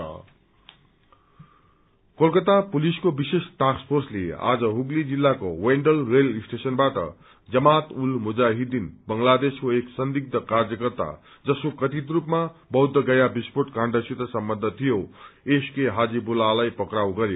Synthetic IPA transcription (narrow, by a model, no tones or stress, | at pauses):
kolkʌt̪apuliskobisesʈaspʰorslḛa̰d͡zʌɦuɡlid͡zilːako̰weɳɖʌlrelisʈesʌnbaʈʌ̰ | d͡zʌmat̪ulmud͡zaɦid̪inbʌŋlad̪eskoeksʌnd̪ik̚d̪ʌkarjʌkʌrt̪a̰ | d͡zʌskokʌt̪it̪rupmabʌɦud̪ʱːʌɡʌjabispoʈkãɳɖʌsit̪ʌsʌmbʌnd̪ʱʌt̪ʰijoeskeɦad͡zibulalajpʌkɾawɡʌɾj